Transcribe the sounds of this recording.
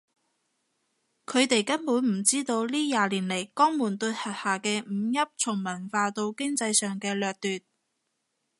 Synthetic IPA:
kʰɵ˨˧ɥt̪e˨jkɐ˥npuː˨˥nm̩˨˩t͡siː˥t̪o˧wliː˥jaː˨liː˨˩nle˨˩jkɔː˥ŋmuː˨˩nt̪ɵ˧t̚hɐ˨˩t̚haː˨kɛː˧m̩˨˧jɐ˥p̚t͡sʰʊ˨˩ŋmɐ˨˩nfaː˧t̪o˧wkɪ˥ŋt͡sɐ˧jsœː˨˩ŋkɛː˧lœː˨k̚t̪yː˨˩t̚

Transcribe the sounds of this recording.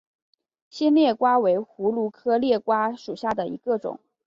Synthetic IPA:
ɕɛ˥nljɛ˥˩kwa˥we˧˥ɪxu˧˥lu˧˥kʰɤ˥ljɛ˥˩kwa˥ʂu˨˩ɕja˥˩d̪ə˩ḭ˧˥ɡə˥˧ʈ͡ʂʊ̰˨˩˦ŋ

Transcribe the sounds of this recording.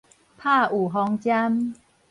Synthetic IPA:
pʰa˥˧˨ʔu˨˩ɦɔ˧ŋt͡ɕja˦m

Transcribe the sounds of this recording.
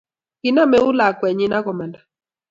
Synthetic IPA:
kɪ˨na˦mɛ˨˦ʊ˦la˨kwɛ˨ɲi˦na˦kɔ˨ma˨nda˨

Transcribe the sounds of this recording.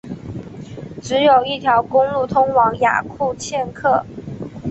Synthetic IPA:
ʈ͡ʂɻ̩˧˥jo˨˩ʊi˥˩t̪ʰjɑ˧˥ʊkʊ˥ŋlu˥˩t̪ʰʊ˥ŋwɑ˧˥ŋja̰˨˩kʰu˥˧t͡ɕʰjɛ˥˧nkʰɤ˥˩

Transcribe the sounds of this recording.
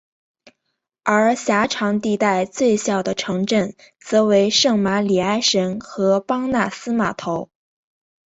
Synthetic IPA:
ə˞˧˥ɕja˧˥ʈ͡ʂʰɑ˧˥ŋt̪i˥˧t̪a˥˧ɪt͡swe˥˧ɪɕjɑ˨˩ʊd̪ə˩ʈ͡ʂʰɤ˧˥ŋʈ͡ʂə˥˩n | t͡sɤ˧˥we˧˥ɪʂɤ˥˩ŋma˧˥li˨˩a˥ɪʂə˧˥nxɤ˧˥pɑ˥ŋna˥˩sɹ̩˥ma˨˩t̪ʰo˧˥ʊ

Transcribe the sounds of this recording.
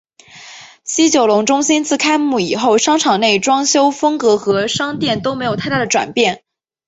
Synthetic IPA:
ɕi˥t͡ɕjo˨˩ʊlʊ˧˥ŋʈ͡ʂʊ˥ŋɕi˥nt͡sɹ̩˥˩kʰa˥ɪmu˥˩i˨˩xo˥˩ʊʂɑ˥ŋʈ͡ʂʰɑ˨˩ŋne˥˩ɪʈ͡ʂwɑ˥ŋɕjo˥ʊfɤ˥ŋkɤ˧˥xɤ˧˥ʂɑ˥ŋt̪jɛ˥˩nt̪o˥ʊme˧˥ɪjt̪ʰt̪a˥˩ə˩ʈ͡ʂwa̰˨˩npjɛ˥˩n

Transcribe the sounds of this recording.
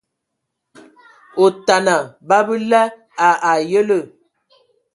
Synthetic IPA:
o˨ta˨na˨ba˦bə˦lɛ˦ | a˨a˨jə˦lə˦˨

